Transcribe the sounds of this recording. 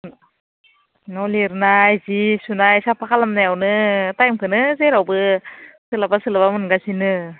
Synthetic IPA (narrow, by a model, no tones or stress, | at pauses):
nɔwliɾnajzisunajsapʰakʰalamnajawnɯtajmkʰɯnɯzejɾawbɯsɯlabasɯlabamɯnɡasinɯ